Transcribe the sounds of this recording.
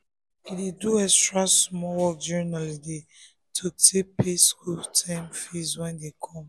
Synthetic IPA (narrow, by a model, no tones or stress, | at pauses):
ideduɛstɹasmɔwɔk̚d͡ʒɛnalide | tʰotʰepeskultʰãmfizwɛ̃ndekʰɔ̃m